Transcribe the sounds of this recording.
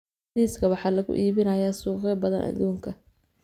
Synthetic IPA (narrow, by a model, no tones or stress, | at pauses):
iːskʰɐwɑħɑːlɐɣʊ̰ʔiːβɪnɐjaːsuːqɛbɐðɐ̰nʔɐ̰d̪uːŋkʰɐ